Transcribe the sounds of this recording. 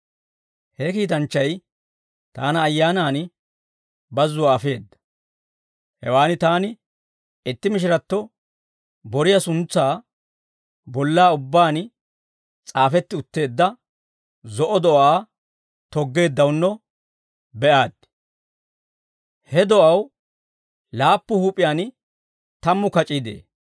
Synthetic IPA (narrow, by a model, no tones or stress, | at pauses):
hɛkiːt̪̬ɐnt͡ʃːɐj | t̪aːnɐːjːaːnaːn | bɐzːʊwaːfe̞ːd̪ːɐ̥ | hɛwaːnɪt̪aːnɪ | ɪt̪ːɪmɪʃ̬ɪɾɐt̪ːɔ | bɔɾɪjɐsʊnt͡sːaː | bɔlːaːʊbːaːn | t͡sʼaːfɛt̪ːɪʊt̪ːe̞ːd̪ːɐ | zɔʔɔd̪ɔʔaː | t̪ɔɡːe̞ːd̪ːɐwnːɔ | bɛʔaːd̪̚ | hɛd̪ɔʔɐw | laːpːʊhuːpʼɪjaːn | t̪ɐmːʊkɐt͡ʃʼiːd̪ḛː